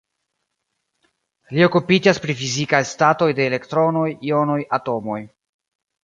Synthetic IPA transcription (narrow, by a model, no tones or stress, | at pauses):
lio̞kupid͡ʒaspɾifizikajstato̞jde̞ːle̞ktɾo̞no̞jio̞no̞jato̞mo̞j